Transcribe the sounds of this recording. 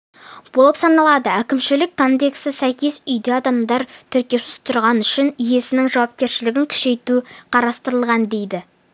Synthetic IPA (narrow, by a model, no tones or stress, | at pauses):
b̥o̞lˠəpsɑnɑlˠɑd̪əækʲɪmʃɪlɪkʰːo̞nd̪e̞ksɪsæjkʲe̞sʏjd̪eɑd̪ɑmd̪ɑɾt̪ʰʏɾkʲe̞wsɪ̥st̪ʰʊɾʁɑnʏʃɪnije̞sɪnɪŋʒɑwɑp̚kʲe̞ɾʃɪlɪɡʲɪŋkʲʰʏ̥ʃe̞jt̪uqʰɑɾɑst̪əɾəlˠʁɑnd̪e̞jd̪ɪ